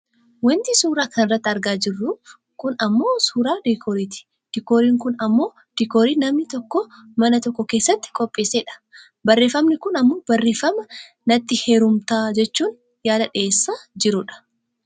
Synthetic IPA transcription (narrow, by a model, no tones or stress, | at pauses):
wɐnt̪isuːɾaːkɐnɪrːɐt̪ːɪɐɾɡaːd͡ʒɪrːu | kʊnɐmːo̞ːsuːɾaːd̪ikʰoːɾiːt̪ɪ̥ | d̪̥ɪkoːɾiːŋkʊnɐmːo̞ː | d̪̥ɪkoːɾiːnɐmnɪt̪ɔkːɔmɐnɐt̪ɔkːɔke̞ːsːɐt̪ːɪ̥kʼɔpʼːeːseːᶑɐ̥ | bɐrːe̞ːfɐmnɪkʊnɐmːo̞ːbɐrːeːfɐmɐ | nɐt̪ːɪheːɾʊmt̪aːd͡ʒɛt͡ʃːuːn | jaːd̪ɐᶑeːsːaːd͡ʒɪɾʊᶑɐ̥